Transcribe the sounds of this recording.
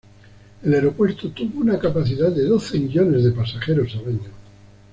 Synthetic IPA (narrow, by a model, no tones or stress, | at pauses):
e̞leɾo̞pwe̞ɾt̪ot̪uβounakapaθiðaððe̞ðo̞θe̞miʎo̞ne̞zðe̞pasaχe̞ɾo̞salaɲo